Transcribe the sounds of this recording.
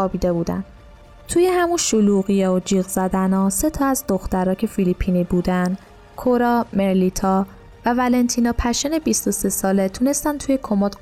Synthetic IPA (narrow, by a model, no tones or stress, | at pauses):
ɒːbiːd̪e̞buːd̪æ̰n̥ | t̪ʰuːjehæmunʃuluːɣijeod͡ʒiːɣzæd̪ænɒːse̞t̪ʰɒːæzd̪o̞xt̪æɾɒːcʰe̞filipʰːiːniːbuːd̪ænd̪ | kʰoɾɒːme̞ɾlit̪ʰɒː | vævælent̪ʰinɒːpʰæʃene̞bist̪o̞se̞sɒːle̞t̪ʰuːne̞st̪ænt̪ʰuːje̞kʰo̞mot̪